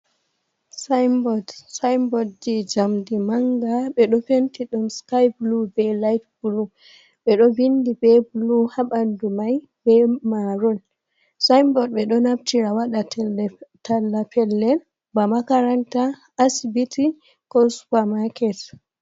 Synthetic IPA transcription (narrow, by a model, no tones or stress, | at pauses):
sajmbɔdsajmbɔdd͡ʒid͡ʒamdimaŋɡaɓɛɗɔfentiɗumskajblubɛlajtbulu | ɓɛɗɔvindibɛbuluhaɓandumaj | bɛmaɾɔl | sajmbɔd̚ɓɛɗɔnap̚tiɾawaɗattalːapʰɛlːɛl | bamakaɾantaː | sbitʰi | kɔsu̥pamakɛt